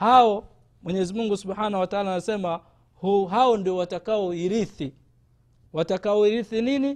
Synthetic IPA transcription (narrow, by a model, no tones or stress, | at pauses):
haɔ | mwɛɲɛzimuŋɡusubħanahuwataaːlanasɛma | huɦaɔndiɔwatakaɔiɾiθi | watakaɔiɾiθinini